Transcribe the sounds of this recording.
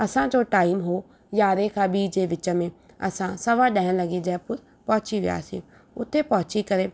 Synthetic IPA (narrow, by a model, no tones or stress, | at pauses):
ɐsãd͡ʑoʈaːɪmɦoː | jaːɾekʰãːɓid͡ʑeːʋɪt͡ɕəmẽ | ɐ̰sãsɐʋaɗãːɪə̃lɐɡed͡ʑɐɦɪpʊɾ | pɐɦʊt͡ɕiʋḭja̰ːsḭ | ʊt̪ʰepɐɦʊt͡ɕikɐɾe